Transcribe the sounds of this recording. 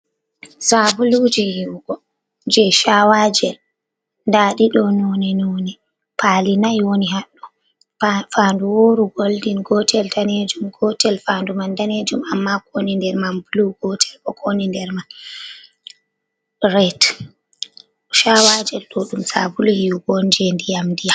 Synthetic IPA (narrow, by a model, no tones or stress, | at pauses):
sabulud͡ʒɛjiwɡ̥ɔ | d͡ʒɛʃawad͡ʒɛl | ndaːɗiɗɔnɔnɛnɔnɛ | pʰalinajwoniɦaɗːɔ | fanduwoːɾuɡoldinɡɔtʰɛltaned͡ʒumɡɔtɛlfandumandaned͡ʒumamːakonindɛɾmanbuluɡɔtʰɛ̥lɔkʰonindɛɾman | ɾɛt | ʃawad͡ʒɛlɗɔɗumsa̰bulujiwɡɔnd͡ʒɛndijamdija